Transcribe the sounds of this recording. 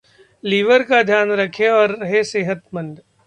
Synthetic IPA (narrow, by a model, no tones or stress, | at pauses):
liːʋəɾkad̪ʱjaːnɾɐkʰeɔːɾːɐɦeseːɦət̪mɐ̃nɖ̪